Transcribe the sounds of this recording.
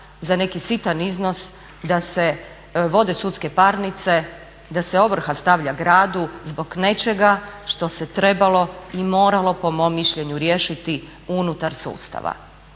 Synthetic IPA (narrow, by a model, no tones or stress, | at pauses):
zane̞kisit̪aniznos | d̪ase̞ | ʋo̞d̪e̞sut̪ske̞paɾnit̪se̞ | d̪aseo̞ʋr̩xast̪aʋʎaɡɾaːd̪uzbo̞ɡne̞t͡ʃe̞ɡaʃt̪o̞set̪ɾe̞balˠo̞imo̞ːɾalo̞po̞momːiʃʎe̞ɲuɾjeʃit̪i | unut̪aɾsṵːst̪a̰ʋa̰